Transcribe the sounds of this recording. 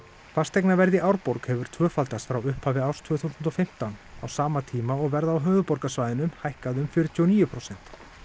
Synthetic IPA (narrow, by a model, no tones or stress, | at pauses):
fast̪ejknavɛɾðɪʔawɾpɔɾkhɛvʏɾ̥t̪ʰvœːfalt̪asfɾawʏhphaːvɪawst̪ʰvʏːθusʏnt̪ɔfɪm̥t̪awna̰wsaːmat̪ʰiːmaɔɣvɛɾðawɦœːðʏpɔɾkasvaːjðɪnʏmhajhkaðʏmfʏɾɪt̪ʰuːɔniːjʏpʰɾɔwsɛn̥t̪